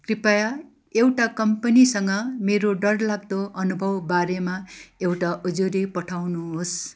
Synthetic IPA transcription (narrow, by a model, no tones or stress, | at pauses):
kripaja | ewʈakʌmpʌnisʌŋɡʌmeɾoɖʌrlaɡ̚d̪oʔʌnubʱʌwbaɾemaewʈaʔud͡zuɾipʌʈʰawnuɦos